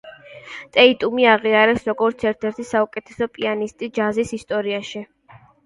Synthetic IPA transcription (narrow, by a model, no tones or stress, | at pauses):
t̪ʼɛit̪ʼumiaʁiaɾɛsɾɔɡɔɾt̪sʰɛɾt̪ʰɛɾt̪ʰisaukʼɛt̪ʰɛ̥sɔpʼianist̪ʼid͡ʒazisist̪ʼɔɾiaʃi